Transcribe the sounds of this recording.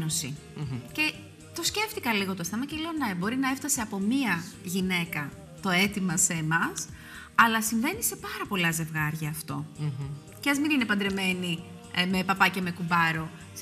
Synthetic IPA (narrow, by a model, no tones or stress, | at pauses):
no̞si | ce̞ | t̪o̞sce̞ft̪ikɐliɣo̞t̪ost̪ɐmɐcelo̞nɐebo̞ɾinɐe̞ft̪ɐse̞ɐpo̞miɐʝine̞kɐ | t̪o̞e̞t̪imɐseːmɐs | ɐlɐsiɱve̞nise̞pɐɾɐpo̞lɐze̞vɣɐɾʝɐːft̪o̞ | ceɐzmininepɐnd̪ɾeme̞ni | me̞pɐpɐceme̞kubɐɾo̞